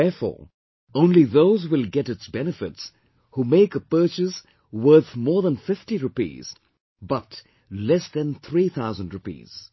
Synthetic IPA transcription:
ɛfɔ̰ː | õʊ̃nliðoʊzwɪlˠɡɛɾɨtsbɛnɨfɪts | humeɪkəpɜ˞t͡ʃɪs | wɜ˞θmɔːɹðə̃nfɪftiɹʊpḭːz̥ | bʌt | lɛsðɨ̃nθɹiːθaʊzə̃ndɹʊpḭːz̥

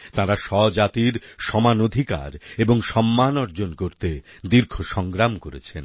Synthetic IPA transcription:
t̪ãɾaʃɔd͡ʑat̪iɾʃɔmanod̪ʱika̰ɾeboŋʃɔmːanɔɾd͡ʑonkoɾt̪e | d̪iɾkʰoʃɔŋɡɾamkoɾḛt͡ɕʰen

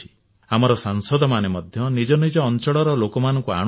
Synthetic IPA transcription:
i̥ | amɔɾɔsaŋsɔd̪ɔmanemɔd̪ʱjɔnid͡ʒɔnid͡ʒɔːnt͡ʃɔɽɔɾɔlokɔmanɔŋkua̰ɽ̃

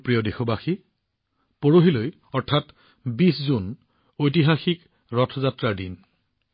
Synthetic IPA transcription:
pɹijɔdexobaxi | poɹoɦiloj | ɔɹtʰat | biszun | ojtiɦaxik | ɹɔtʰɔzatɹaɹdin

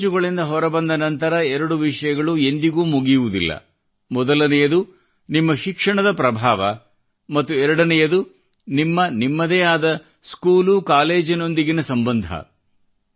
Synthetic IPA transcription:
d͡ʒuɡɐɭind̪ɐɦɔɾɐbɐnd̪ɐnɐnt̪ɐɾɐɛɾɐɽuʋiʂɐjɐɡɐɭue̞nd̪iɡuːmuɡijuʋud̪ḭlːɐ̰ | mɔd̪ɐlɐnɛjɐd̪u | nimːɐʃikʂɐɳɐd̪ɐpɾɐbʱaːʋɐ | mɐt̪ːuɛɾɐɽɐnɛjɐd̪u | nimːɐnimːɐd̪eːaːd̪ɐ | skuːlukaːleːd͡ʒino̞nd̪iɡinɐsɐmbɐnd̪ʱɐ̰

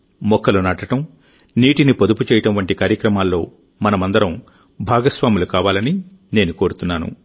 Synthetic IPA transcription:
mɔkʰːɐlunaːʈɐʈɐm | niːʈinipod̪uput͡ʃɛːjɐʈɐmʋɐɳʈikaːɾjɐkɾɐmaːlːo̞ː | mɐnɐmɐnd̪ɐɾɐm | bʱaːɡɐsʋaːmilukaːʋaːlɐni | ne̞ːnukoːɾut̪unːaːnṵ

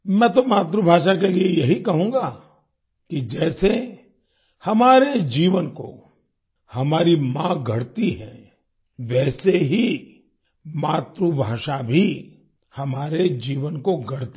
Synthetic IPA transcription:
mɛ̃ːt̪omaːt̪ɾubʱaːʃakeliejɐɦikɐɦũːŋɡa | kid͡ʒɛːse | hɐmaːɾed͡ʒiːʋənko̰ | hɐmaːɾimãɡʱɐɽt̪iɦɛ̃ː | ʋɛːseɦi | maːt̪ɾubʱaːʃabʱi | hɐmaːɾed͡ʒiːʋənkoɡʱɐɽt̪i

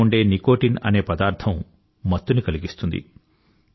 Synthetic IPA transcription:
uɳɖe̞ːniko̞ːʈinɐ̰ne̞ːpɐd̪aːɾt̪ʰɐmː | ɐt̪ːunikɐliɡist̪und̪ḭ

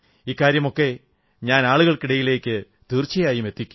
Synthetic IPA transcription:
ikːaːɾjɐmo̞kːe̞ | ɲaːnaːɭuɣɐɭkiɽɐjile̞ːkʲːɨ | t̪irt͡ɕːɐjaːjumet̪ːikʲːu̥m

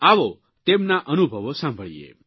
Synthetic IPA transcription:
aʋo | t̪emnaʔənubʱəʋosãmbʱəɭijḛ

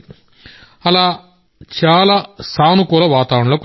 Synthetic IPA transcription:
ɐlaː | t͡ʃaːlaːsaːnukɔːlɐʋaːt̪aːʋɾɐɳɐloːk

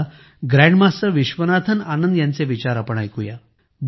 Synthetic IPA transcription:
ɡɾɛ̃ɳɖmasəʋiɕʋənat̪ʰənanənd̪jãnt͡seʋit͡ɕaɾapəɳajkuja | b

